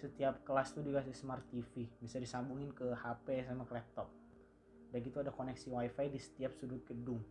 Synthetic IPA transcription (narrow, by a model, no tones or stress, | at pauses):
sət̪iap̚kəlast̪ud͡ʒuɡasisəmart̪ifibisadisambuŋɪnkəhapɛsamaklɛp̚t̪ɔp̚ | daɡit̪uadakonɛksiwajfajdisə̥t̪iap̚sudʊt̪̚ɡədʊŋ